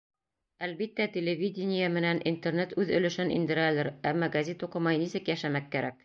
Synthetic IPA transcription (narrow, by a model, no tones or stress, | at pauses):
ælbit̪ːæt̪ʲelʲevʲid̪ʲɪnʲɪjamɘ̆nænʔint̪ernet̪ʉðɵ̆lɘ̆ʃɘnḭnd̪ɘ̆ɾælɘɾæmːɑɡɐzʲet̪uqɤ̆mɑjnisɘ̆kjæʃæmækːæɾæk